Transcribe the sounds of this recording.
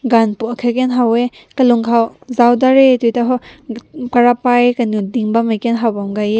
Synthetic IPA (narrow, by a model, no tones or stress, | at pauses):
ɡanpuakʰakenɦawe | kɐluŋkʰawzawdaɾetujtaɦɔ | kaɾapajkanudiŋbamajkenɦawbamɡaje